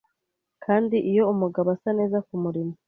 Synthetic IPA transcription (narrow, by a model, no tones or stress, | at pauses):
kʰaːndiʔijo̞umuɡaβasane̞ːzakumuɾimo